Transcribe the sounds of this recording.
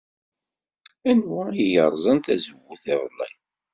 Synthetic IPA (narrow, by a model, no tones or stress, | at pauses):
ænwæijəɾˤzˤɑnt̪æzəwːuθɪvˤlˤːḭj